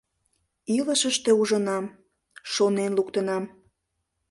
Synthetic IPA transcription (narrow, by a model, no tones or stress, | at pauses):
iləʃəʃt̪euʒənɑm | ʃonenlukt̪ənɑm